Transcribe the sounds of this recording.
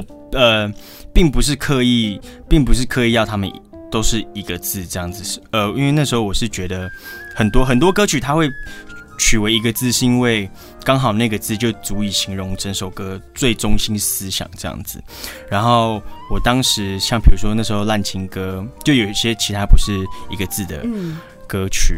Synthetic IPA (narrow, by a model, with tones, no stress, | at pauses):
ə˨˧ | pi˥˩ŋpu˧ʂ̬ɻ̩˥˧kʰɤ˥˧i˥˩ | pi˥˩ŋp̬u˧ʂ̬ɻ̩˥˩kʰɤ˥˧i˥˧jɑ˥˩ʊt̪ʰa˥mə˨n˨ | t̪o˥ʊʂɻ̩˥˩i˧˥ɡə˨t͡sɹ̩˥˩ʈ͡ʂɤ˥˧jɑ˥˩ŋd͡zɹ̩˨˩˥ə˧i˥nwe˥˧na˥˩ʂɻ̩˧˥xo˥˧ʊwɔ˨˩ʂɻ̩˥˩t͡ɕɥɛ˧˥d̪ə˧xə˨˩nt̪wɔ˥xə˨˩nt̪wɔ˥kɤ˥t͡ɕʰy˨˩t̪ʰa˥xwe˥˩ɪ | t͡ɕʰy˨˩we˧˥ɪi˧˥ɡə˧t͡sɹ̩˥˧ʂ̩˥˧i˥nwe˥˩ɪ | kɑ˥ŋxɑ˨˩ʊna˥˩ɡə˩t͡sɹ̩˥˧t͡ɕjo˥˩ʊt͡su˧˥i˨˩ɕi˧˥ŋɻʊ˧˦˥ŋʈ͡ʂə˧˥nʂo˨˩ʊkɤ˥t͡swe˥˩ɪʈ͡ʂʊ˥ŋɕi˥nsɹ̩˥ɕjɑ̰˨˩ŋʈ͡ʂɤ˥˧jɑ̰˥˩ŋd͡zɹ̩˨˩ɻa˧˥nxo˥˩ʊwɔ˨˩t̪ɑ˥ŋʂɻ̩˧˥ɕjɑ˥˩ŋpʰi˨˩ɻu˧˥ʂwɔ˥na˥˩ʂɻ̩˧˥xo˥˧ʊla˥˩nt͡ɕʰi˥ŋkɤ˥t͡ɕo˥˩ʊjo˨˩ʊi˧˩ɕjɛ˥t͡ɕʰi˧˥t̪ʰa˥pu˧˥ʂɻ̩˥˩i˧˥ɡə˧t͡sɹ̩˥˩d̪ə̰˩ | kɤ˥t͡ɕʰy˨˩˦